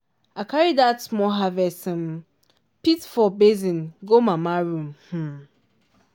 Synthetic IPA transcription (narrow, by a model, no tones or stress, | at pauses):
akaɹidatmɔɦavɛsm̩ | pitfɔbezĩnɡomamaɹũmh̩